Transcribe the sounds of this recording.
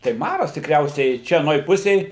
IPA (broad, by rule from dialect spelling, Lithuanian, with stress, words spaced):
tɐɪ ˈmɑːrɐs tʲɪkˈrʲɛʊsʲɛɪ ˈt͡ʃʲɛ ɐˈnoːj ˈpʊsʲeːj